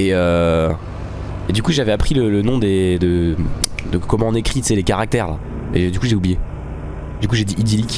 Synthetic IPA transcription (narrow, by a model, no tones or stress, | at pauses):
eø | ed̪ykuʒavɛapχilələnɔ̃d̪ed̪ə | d̪əkɔmɑ̃ɔ̃nekχit̪sɛlekaʁak̚t̪ɛʁla̰ | ḛd̪ykuʒeublije | d̪ykuʒed̪iʔid̪ilik